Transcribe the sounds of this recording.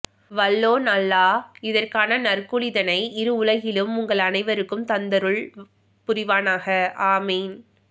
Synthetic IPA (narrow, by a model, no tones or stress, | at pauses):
ʋɐlːoːnɐlːaːɪðɐrkaːnɐnɐrkɯɻɪðɐnɐɪɪɾɯʊɭɐɣɪlɯmʊŋɡɐɭɐnɐɪʋɐɾɯkːɯmt̪ɐnd̪ɐɾɯɭ | pʊɾɪʋaːnaːɣɐʔaːmeːn